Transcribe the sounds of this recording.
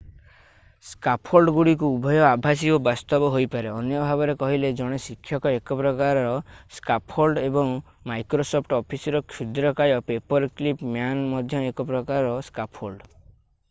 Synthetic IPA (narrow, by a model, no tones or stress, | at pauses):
skapʰolɖɡuɽik̬uubʱɔjɔabʱas̬iobast̪ɔbɔɦojpaɾeɔnjɔbʱabɔɾekɔɦiled͡ʒɔɽ̃esikʰːjɔkɔekɔpɾɔkaɾɔɾɔskapʰholɖebɔŋ | majkɾosɔpʰʈɔpʰisɔɾɔkʰud̪ɾɔkajɔpepɔɾklipmjanmɔd̪ʱjɔekɔp̬ɾɔkaɾɔɾɔskapʰholɖ